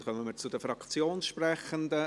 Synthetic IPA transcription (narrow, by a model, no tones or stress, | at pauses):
χœməməːt͡sʊd̥̪əfɾɑkt͡sjoːnsʃprɛχənd̪ə